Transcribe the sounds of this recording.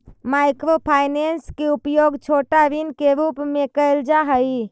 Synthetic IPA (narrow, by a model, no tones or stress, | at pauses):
maɪkɾopʰaːɪnenskeupjoɡt͡ʃʰoːʈaɾinkeɾuːpmẽkəɪld͡ʒaɦəi